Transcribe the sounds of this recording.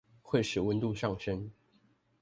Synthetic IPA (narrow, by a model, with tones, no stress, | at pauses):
xwe˥˩ɪʂɻ̩˨˩wə˧˦nt̪u˥˧ʂɑ˥˨ŋʂə˦˥n